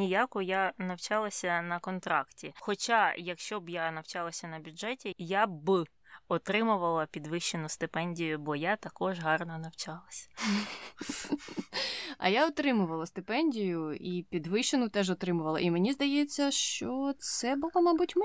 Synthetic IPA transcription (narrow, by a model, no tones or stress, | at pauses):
nijakʊjanɐwt͡ʃɑlˠɐsʲɐnɐkɔnt̪ɾɑktʲixɔt͡ʃajɐkʃt͡ʃɔbjanɐwt͡ʃɑlˠɐsʲɐnɐbʲʊʐɛtʲijabɪ | ɔt̪ɾɪmʊʋɐlˠɐpʲid̪ʋɪʃːenʊst̪ɪpɛnʲdʲijʊbɔjat̪ɐkɔʒɦɑrnɔnɐwt͡ʃɑlˠɐsʲɐ̥ | ɐ̰jaɔt̪ɾɪmʊʋɐlˠɐst̪ɪpɛnʲdʲijʊipʲid̪ʋɪʃenʊt̪ɛʒɔt̪ɾɪmʊʋɐlˠɐʔimenʲizd̪ɐjɛt͡sʲːɐʃt͡ʃɔt̪sɛbʊlˠɔmɑbutʲmɪ